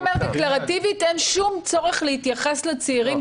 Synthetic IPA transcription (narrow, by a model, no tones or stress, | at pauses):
meʁd̪eklaʁat̪ivit̪e̞nʃumt͡so̞ʁeχlehit̪jaχe̞slet͡seiʁim